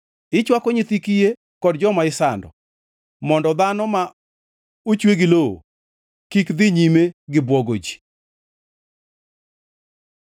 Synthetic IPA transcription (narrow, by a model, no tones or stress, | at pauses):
ɪt͡ʃwakoɲit̪ikije | kɔdd͡ʒɔmaɪsandɔ̰ | mɔndɔd̪anɔma | ut͡ʃweɡiloo̰ | kikd̪ɪɲimeɡɪbwɔɡod͡ʒi̥